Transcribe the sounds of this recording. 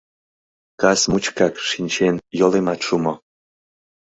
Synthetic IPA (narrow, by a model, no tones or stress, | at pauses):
kasmut͡ɕkɑkʃinʲt͡ɕenjolemɑt̪ʃumo